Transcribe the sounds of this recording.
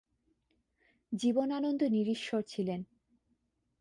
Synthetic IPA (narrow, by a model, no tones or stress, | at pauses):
d͡ʑibonanond̪oniɾiʃːoɾt͡ɕʰilen